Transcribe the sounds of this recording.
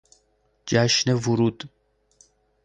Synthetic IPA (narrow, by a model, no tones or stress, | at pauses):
d͡ʒæʃnevuɾuːd̪̥